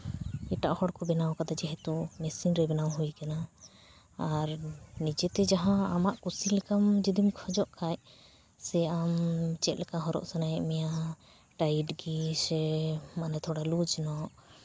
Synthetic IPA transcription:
iʈaʔhɔɽkɔbɛnawkad̪ad͡ʒɛɦɛt̪umɛsinɾɛbɛnawɦujkanaː | ɾnid͡ʒɛt̪ɛd͡ʒaɦãamaʔkusilɛkamd͡ʒid̪imkʰɔd͡ʒɔʔkʰaj | sɛamt͡ʃɛt̪̚lɛkaɦɔɾɔ̰ʔsanajɛʔmɛja | ʈajiʈɡisɛmanɛt̪ʰɔɽalud͡ʒnɔʔ

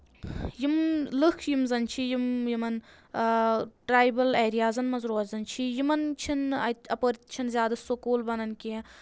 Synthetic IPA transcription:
jimlɨkʰjimzɐnt͡ʃʰijimjimɐn | ʈɾaːjbɐleːɾijaːzɐnmɐzɾoːɐt̪zɐnt͡ʃʰijimɐnt͡ʃʰinɐɐpəɾt̪t͡ʃʰinzʲjaːd̪ɐsokoːlbɐnɐnkʲi

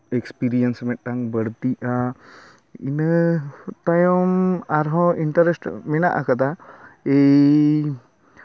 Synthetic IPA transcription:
ekspiɾijənsmɛt̪̚ʈaŋbəɽt̪iʔa | ḭnət̪ajɔmaɾɦɔiɳʈəɾesʈmɛnaʔakat̪ʰae

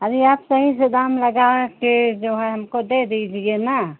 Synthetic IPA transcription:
əɾiaːpsəɦised̪aːmləɡaked͡ʒoɦɛɦəmkod̪ed̪id͡ʒiena

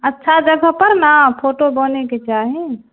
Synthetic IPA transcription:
ətːʃʰad͡ʒəɡʱəpəɾnapʰoʈobəneket͡ʃaɦi

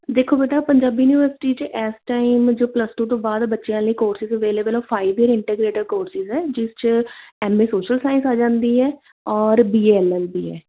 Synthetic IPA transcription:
d̪eːkʰːoːbeːʈaːpəɲd͡ʒaːbiːuːniːʋəɾsɪ̥ʈiːt͡ʃʔɛːsʈaːimd͡ʒoːpləsʈõːt̪õːbaːd̪bətːʃijãːləiːkoːɾsɪzəʋeːleːbəlɔːpʰaːibiəɾɪɳʈeɡɾeːʈəɾkoːɾsɪzɦɛːd͡ʒɪst͡ʃɛːmeːsoːʃəlsaːɪ̃nsaːd͡ʒãːnd̪iːɛː | ɔːɾbiːeːɛlɛsbiːɛ̰ː

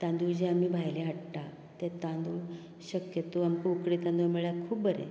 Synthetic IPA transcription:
t̪ãnd̪ud͡ʑeamiːbʱajleaʈʈa | t̪et̪ãnd̪u | ɕəkjət̪oamkoukɽet̪ãnd̪umeɭjakʰuːp̚bəɾḛ̃

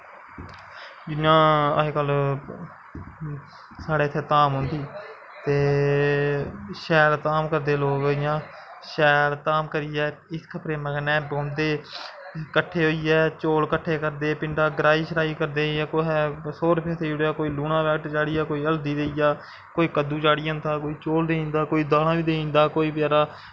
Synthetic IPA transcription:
d͡ʒɪãːəeːkəl | saːɽeːt̪ʰeːt̪aːmɦʊ̃nd̪iː | t̪eː | ʃɛːɾt̪aːmkəɾd̪eːloːɡɪjãː | ʃɛːɾt̪aːmkəɾiːɛː | ɪskʰəpɾeːməɡnɛ̃ːbõːnd̪eː | kəʈʰːeːɦoːiːjɛːt͡ʃoːlkəʈʰːeːkəɾd̪eːpɪɳɖaːɡɾaːiːʃəɾaːiːkəɾd̪eːãːkoːɦɛːsoːɾpʰeːt̪ʰːeːoɽaːkoːiːluːnãːʋɛːkʈt͡ʃaːɽiːɛːkoːiːəld̪iːd̪eːijaː | koːiːkəd̪uːt͡ʃaːɽiaʊ̃nd̪aːkoːiːt͡ʃoːld̪eːĩːnd̪aːkoːiːd̪aːlãːʋiːd̪eːĩːnd̪aːkoːiːpjaːɾaː

